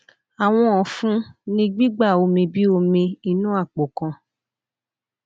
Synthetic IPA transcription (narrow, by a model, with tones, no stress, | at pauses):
a˨w̃ɔ̃˧ɔ̃˨fũ˦nĩ˧ɡ͡bi˦ɡ͡ba˦˨o˧mĩ˧bi˦o˧mĩ˧i˧nũ˦a˦˨k͡po˨kã˧